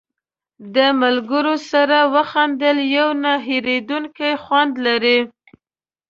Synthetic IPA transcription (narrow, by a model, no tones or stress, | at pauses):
d̪əmalɡəɾosaɾawəxand̪əljawnaɦeɾed̪uŋkajxwand̪laɾi